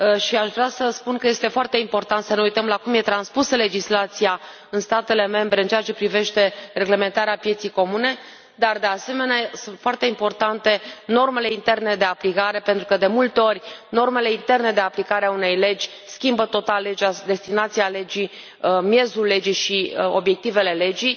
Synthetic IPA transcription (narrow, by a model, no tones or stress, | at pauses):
ʃiaʃvɾeasəspunkəje̞st̪e̞foart̪e̞impo̞rt̪ant̪səneujt̪əmlakumje̞t̪ɾanspusəle̞d͡ʒislat̪sija | ɨnst̪at̪e̞le̞me̞mbɾe̞ɨnt͡ʃeat͡ʃe̞pɾive̞ʃt̪e̞re̞ɡle̞me̞nt̪aɾeapje̞t̪sijko̞mune̞ | d̪ard̪e̞ase̞me̞neasunt̪foart̪e̞impo̞rt̪ant̪e̞no̞rme̞le̞int̪e̞rne̞d̪e̞aplikaɾe̞pent̪ɾukəd̪e̞mult̪eo̞rʲno̞rme̞le̞int̪e̞rne̞d̪e̞aplikaɾeaune̞jle̞d͡ʒʲ | skʲimbət̪o̞t̪alːe̞d͡ʒʲad̪e̞st̪inat̪siale̞d͡ʒi | mje̞zulːe̞d͡ʒijʃio̞bje̞k̚t̪ive̞le̞le̞d͡ʒij